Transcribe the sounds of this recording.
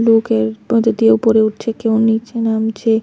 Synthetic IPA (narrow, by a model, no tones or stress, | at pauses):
lukeɾod̪od̪ieupoɾeuʈ̚t͡ɕʰekewnit͡ɕʰenamt͡ɕe